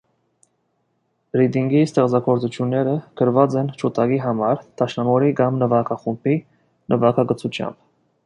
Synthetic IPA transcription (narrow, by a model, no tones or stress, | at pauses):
ɾid̪iŋɡist̪ɛχt͡sɑɡɔɾt͡sut͡ʃʰjunːɛɾəkəɾvɑt͡sɛnt͡ʃʰut̪ɑɡiɦɑmɑɾt̪ʰɑʃnɑmɔɾiɡɑmnəvɑkʰɑχumbi | nʔəvɑkʰɑɡət͡sʰut͡ʃʰjɑ̰mb